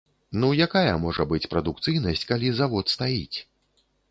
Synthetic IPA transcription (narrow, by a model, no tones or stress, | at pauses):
nujakajɐmɔʐɐbɨt͡sʲpɾɐd̪ukt̪sɨjnɐsʲt͡sʲkalʲizavɔt̪st̪ajḭt͡sʲ